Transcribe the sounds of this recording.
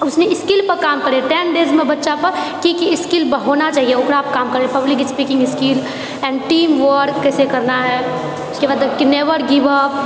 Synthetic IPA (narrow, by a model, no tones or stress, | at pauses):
ʊsneɪskɪlpɐɾkaːmkəɾeʈɛːnɖeːzmẽbɐtːʃapɐɾkikiɪskɪlbəɦonat͡ʃaːɦijeoːkɾaːp̚kaːmkəɾepɐblɪk̬ɪspikɪ̃ŋɡɪskil | ɛ̃ːɳɖʈiːmʋəɾɾkːɛːsekɐɾnaɦɛ | ʊskebaːd̪kineːʋəɾɡɪʋəp̚